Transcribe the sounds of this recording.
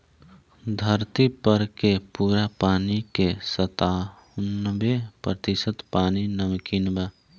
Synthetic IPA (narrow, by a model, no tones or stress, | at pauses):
d̪ʱəɾt̪ipəɾkepuːɾapaːnikesət̪aː | ʊnːbepɾət̪ɪsət̪paːninəmkinbaː